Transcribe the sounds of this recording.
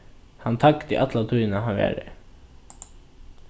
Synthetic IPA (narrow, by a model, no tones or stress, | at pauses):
hant̪ʰakt̪ɪʔat̪lat̪ʰujnaɦaʋɛ̰ːɾɪ̰